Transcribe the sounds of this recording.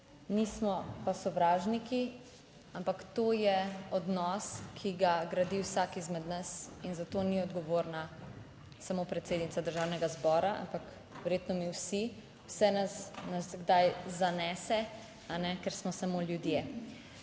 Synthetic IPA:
nismɔpasɔʋɾaːʒniki | ampakt̪ojɛɔd̪nɔskʰiɡaɡɾad̪iwsakizmɛd̪nasinzat̪oniɔd̪ɡɔʋoːɾna | samopɾɛt̪seːd̪nit̪sad̪əɾʒawnɛɡazbɔːɾaʔa̰mpak | ʋɛɾjeːt̪nɔmiwsi | wsɛnɐsnɐsɡd̪ajzanɛːsɛ | anɛkɛɾsmɔsamoljud̪je

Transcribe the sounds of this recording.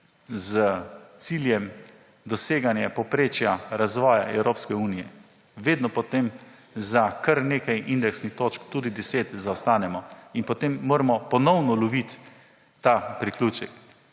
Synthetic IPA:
zət̪siljɛm | d̪ɔseːɡanjɛpɔpɾeːt͡ʃjaɾazʋɔːjaɛwɾoːpskɛuːnijɛ̰ | ʋeːd̪nɔpɔt̪em | zakaɾneːkajind̪ɛksnixt̪oːt͡ʃkt̪uːd̪id̪ɛseːt̪zawst̪aːnɛmɔinpɔt̪emːoːɾɛmɔpɔnɔwnɔlɔʋit̪ː | apɾikluːt͡ʃɛk

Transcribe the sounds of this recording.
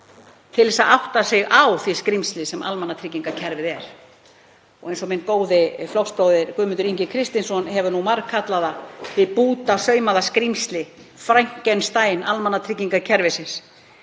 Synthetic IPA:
t̪ʰɪlɛsaʔawht̪asɪɣawθiskɾimst̪lɪsɛma̰lmanːat̪ʰɾɪc̬ːiŋkacʰɛɾvɪðɛɾ̥ | ɔɣejnsɔmɪnːkoːwðɪflɔwkspowðɪɾkʏːmʏnt̪ʏɾiɲcɪkʰɾɪst̪insɔnɦɛvʏnumaɾkʰat̪laðaθɪpuːt̪asœːɥmaðaskɾimst̪lɪ | fɾajŋ̥cɛnst̪aːjnalmanːat̪ʰɾɪc̬ːiŋkacʰɛɾvɪsɪns

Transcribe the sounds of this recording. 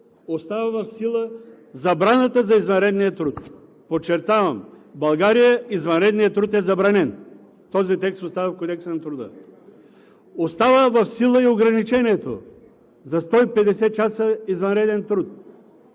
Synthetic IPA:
ost̪avɐvɐfsilˠə | zɐbɾanət̪əzɐizvɐnɾɛd̪nijət̪ɾut̪ | pot͡ʃɛɾt̪avɐmbɐlˠɡaɾijəizvɐnɾɛd̪nijət̪ːɾut̪ɛzɐbɾanɛn | t̪ɔzit̪ɛkst̪ost̪avəfkod̪ɛksɐnɐt̪ɾʊd̪ə̰ | ost̪avəvɐfsilˠəioɡɾɐnit͡ʃɛniɛt̪o̰ | zɐst̪ɔipɛd̪ɛsɛt͡ʃasəizvɐnɾɛd̪ɛnt̪ɾut̪̚

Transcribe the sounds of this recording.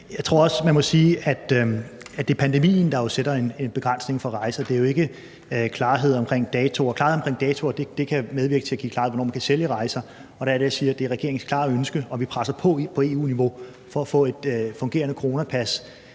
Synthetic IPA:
jɑ̈ɪt͡sʰʁo̝ɐɒ̽smænmɒ̽siːʔæd̥æd̥e̝æpʰænd̥e̝mḭːn̩d̥ɑ̈jo̝seɾ̥ɐe̝ne̝nb̥e̝ɡ̥ʁan̰sne̝ŋfɒ̽ʁɑ̈ɪsɐd̥e̝æɐjo̝e̝ɡ̥ə | kʰlɑ̈ːɦe̝ð̞̰ˠɒ̽mkʰʁeŋ̰d̥ɛːt͡sʰo̝ɒ̽kʰlɑ̈ːheð̩ˠɒmkʰʁḛŋ̰d̥ɛːt͡sʰo̝ɒd̥e̝d̥e̝kʰæmeðˠʋiɐɡ̥ət͡sʰe̝æɡ̥ḭːkʰlɑ̈ːeð̩̰ˠʋɒnɒ̰ːmænkʰæseljəʁɑ̈ɪsɐ | ɒ̽ɾ̥ɑ̈æɐɾ̥ejasiːɐd̥e̝æɐʁɛɡ̥e̝ɐeŋskʰlɑ̰̈ːæønsɡ̥əɒ̽ʋipʰʁasɐpʰɒ̽pʰɒ̽e̝ːṵːniʋo̝ | fɒ̽æfɔ̰̽ːe̝d̥fɔ̽ŋɡe̝̰ːɐnəkʰoʁo̝ːnæpʰæs

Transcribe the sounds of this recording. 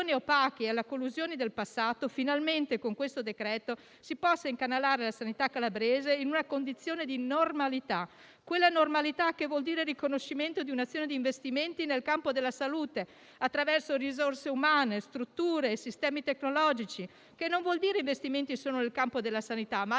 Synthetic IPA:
niopaːk̟ialːakolːuzjoːnid̪elpasːaːt̪ofinalment̪ekoŋkwest̪od̪ekɾɛːt̪o | sipɔsːaiŋkanːalaːɾelasanit̪akalabɾeːzeinunakond̪it̪sːjoːned̪inormalit̪a | kwelːanormalit̪akːevwɔld̪iːɾerikonoʃːiment̪od̪iunat̪sːjoːned̪iːɱvest̪iment̪inelkampod̪elːasaluːt̪e | at̪ːɾavɛrsorizorseumaːnest̪ɾut̪ːuːɾeːsist̪ɛːmit̪ekːnolɔd͡ʒit͡ʃi | kenːoɱvwɔld̪iːɾeiɱvest̪iment̪isoːnonelkampod̪elːasanit̪ama

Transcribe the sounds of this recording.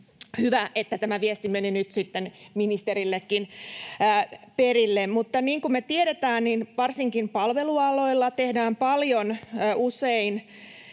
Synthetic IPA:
hyʋæʔet̪ːæt̪æmæʋiest̪imeninyt̪sit̪ːenminist̪eɾilːekːinː | perilːemmut̪ːɑniːŋkummet̪ieɾet̪æːnninʋɑrsiŋkimpɑlʋeluɑlo̞ilːɑt̪ehdæːmpɑljonːʔusein

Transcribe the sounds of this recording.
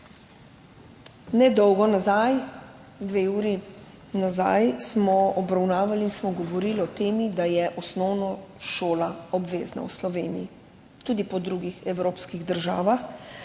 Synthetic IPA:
nɛd̪ɔwɡɔnazaj | d̪ʋeuːɾi | naza̰jsmɔɔbɾawnaːʋaliinsmɔɡɔʋɔɾilɔt̪eːmid̪ajɛʔɔsnɔwnɔʃoːlaɔbʋeːzna̰wslɔʋeːniji | t̪uːd̪ipɔd̪ɾuɡixɛwɾoːpskiɣd̪əɾʒaːʋax

